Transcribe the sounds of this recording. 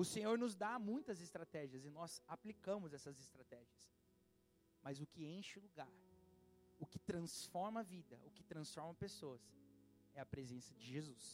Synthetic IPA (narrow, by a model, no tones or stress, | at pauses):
ʊsẽɲoɾnʊzd̪amũj̃t̪ɐzɪst̪ɾat̪ɛʒiɐzɪnɔzaplikɐ̃mʊzɛsɐzɪst̪ɾat̪ɛʒiɐs | mɐzʊkɪẽʃʊluɡaɾ | ʊkɪt̪ɾɐ̃sfɔɾmɐvid̪ɐʊkɪt̪ɾɐ̃sfɔɾmɐpesoɐs | ɛɐpɾezẽsɐd͡ʒɪʒezus